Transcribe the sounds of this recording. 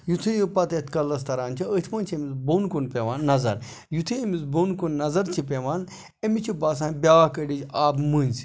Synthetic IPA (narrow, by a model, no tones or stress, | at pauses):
jut̪ʰɨjipɐt̪et̪kɐlːɐs̬t̪ɐɾaːnt͡ʃʰiət̪ʰmɐːnt͡ʃʰiemizboːnkunpʲeʋaːnːɐzɐ̰ɾ | jut̪ʰɨemizboːnkunːɐzɐɾt͡ʃʰip̬ʲeʋaːn | emit͡ʃʰibaːs̬ãːnbʲaːkəɖit͡ʃaːbmɨːnʲsi̥